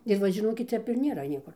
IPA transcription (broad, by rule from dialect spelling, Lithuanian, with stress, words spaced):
ɪr ˈʋɐ ʒʲɪˈnoːkʲɪt ˈtʲɛp ɪr nʲeːˈrɐ ˈnʲiɛkʊr